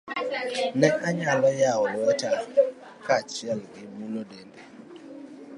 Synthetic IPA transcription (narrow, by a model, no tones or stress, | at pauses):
nɛkʼaɲalɔjawɔwɔtʰa | kʰat͡ʃʰialʔemulɔdɛːndʼɛ